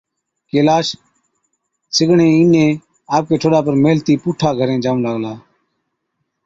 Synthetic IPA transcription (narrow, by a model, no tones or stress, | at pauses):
keːlaːʃ | sɪɡʱɳẽːiːnẽː | aːp̚keːʈʰoːɗaːpəɾmeːlt̪iːpuːʈʰaːɡʱəɾẽːd͡ʒaːʋũːlaːɡlaː